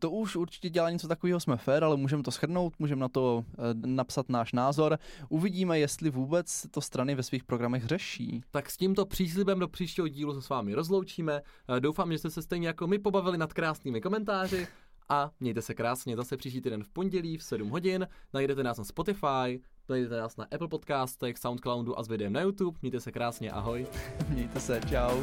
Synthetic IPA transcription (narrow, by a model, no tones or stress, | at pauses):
t̪oʔuʃuɾt͡ʃɪ̥cɛɟɛlaːɲɛt͡sot̪akoviːɦosmɛfɛːɾalɛmuːʒɛmɛt̪osxr̩no̞wt̪muːʒɛmnat̪o̞napsat̪naːʃnaːzo̞ɾʔuvɪɟiːmɛjɛst̪lɪvuːbɛt͡ssɛt̪ost̪ɾanɪvɛsviːxpɾoɡɾamɛɣrɛʃḭːt̪aksciːmt̪o̞pr̥iːs̬lɪbɛmdo̞pr̥iːʃcɛɦoɟiːlusɛsvaːmɪɾo̞zlo̞wt͡ʃiːmɛdowfaːmɛʒɛst̪ɛsɛst̪ɛjɲɛjako̞mɪpo̞bavɪlɪnat̪kɾaːsniːmɪko̞mɛnt̪aːr̝ɪ | ʔamɲɛjt̪ɛsɛkɾaːsɲɛzasɛpr̥iːʃciːt̪iːdɛnfpo̞ɲɟɛliːfsɛdumɦo̞ɟɪnnajdɛt̪ɛnaːsnaspo̞t̪ɪfaj | najdɛt̪ɛnaːsnaʔɛpl̩ˠpo̞t̪kaːst̪ɛxsawnt̪̚klawnduʔa̰zvɪdɛjɛmnajut̪upmɲɛjt̪ɛsɛkɾaːsɲɛ̰ʔa̰ɦo̞jmɲɛjt̪ɛsɛt͡ʃaw